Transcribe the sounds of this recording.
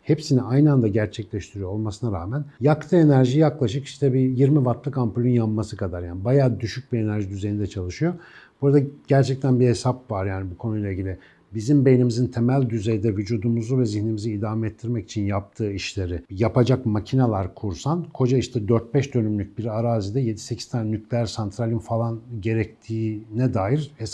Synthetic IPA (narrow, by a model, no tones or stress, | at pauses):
hepsiniajnɯand̪aɟæɾt͡ʃʰɛclʲɛʃt̪ʰiɾijoolˠmasɯnaɾaːmænjakt̪ʰɯe̞næɾʒijaklˠaʃɯki̥ʃt̪ʰɛbijiɾmivaɾt̪lˠɯkampulʲynjamːasɯkʰad̪aɾjaːnibajaːd̪yʃyc̚biɾe̞næɾʒid̪yze̞jind̪ɛt͡ʃʰalˠɯʃɯjo̞b̥uɾad̪aɟ̥æɾt͡ʃʰɛc̚t̪ʰænbihe̞sapvaɾjaːnibukʰo̞nujlˠaiɟʲilʲi | bizimbe̞jnimizint̪ʰemælʲd̪yze̞jd̪ɛvyd͡ʒuːd̪umuzuvɛziçnimiziːd̪aːmɛɛt̪ʰːiɾmɛci̥t͡ʃʰinjap̚t̪ʰɯːiʃlʲe̞ɾɪjapʰad͡ʒakmacʰinalˠaɾkʰuɾsankʰo̞d͡ʒaiʃt̪ʰɛd̪øɾt̪̚bɛʃd̪ønymlʲyc̚biɾaɾaːzid̪ɛje̞d̪i̥secʰi̥z̥t̪ʰannyclʲæɾsant̪ʰɾalʲinfalˠanɟe̞ɾɛc̚t̪ʰiːnɛd̪aːjiɾhesa